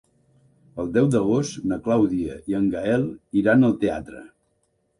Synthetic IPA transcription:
əlˠd̪ɛwd̪əɣ̞ost̪nəklawðiəiəŋɡaɛlˠiɾanəlˠt̪ea̰t̪ɾə̰

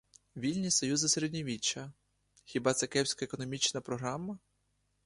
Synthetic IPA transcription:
ʋʲilʲnʲisɔjuzɪseɾedʲnʲiʋʲit͡ʃːɐ | xʲibɑt̪sɛkɛwsʲkɐekɔnɔmʲit͡ʃnɐpɾɔɦɾamːɐ

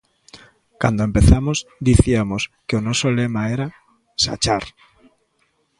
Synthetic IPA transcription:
kand̪oempeθamosd̪iθiamoskeonosolemaeɾa | sa̰t͡ʃaɾ

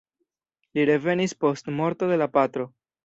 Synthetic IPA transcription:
liɾe̞ve̞nispo̞stmo̞ɾt̪o̞d̪e̞lapat̪ɾo̞

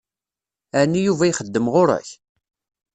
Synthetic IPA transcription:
ænːijuvæjiχəd̪ːəmʁoɾæ̰ç

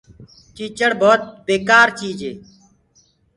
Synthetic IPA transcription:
t͡ʃiːt͡ʃəɽbʱoːt̪̚beːkaːɾt͡ʃiːd͡ʒeː

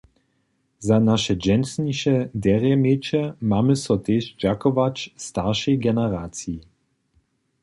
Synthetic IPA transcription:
zanaʃɛd͡ʒɛnsniʃɛd̪ɛʁjɛmet͡ʃɛmaːmɪsɔt̪eːʃd͡ʒakɔvat͡ʃst̪aʁʃɛjɡɛnɛʁaːtt͡sii

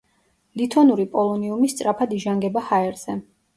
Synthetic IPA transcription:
lit̪ʰɔnuɾipʼɔlˠɔniumist̪sʼɾapʰad̪iʒaŋɡɛbahaɛɾz̥ɛ

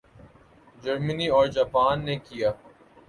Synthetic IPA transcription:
d͡ʒɐɾməniɔːɾd͡ʒaːpaːnːekijaː

